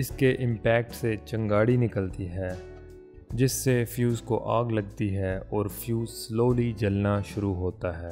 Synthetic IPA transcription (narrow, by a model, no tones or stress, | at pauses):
ɪskeʔɪ̃mpɛːk̚ʈset͡ʃɐ̃ŋɡaːɽinɪkəlt̪iɦɛː | d͡ʒɪsːefjuːzkoʔaːɡlɐɡ̚t̪iɦɛɔːɾfjuːzsloːlid͡ʒɐlnaʃʊɾuɦoːt̪aɦɛː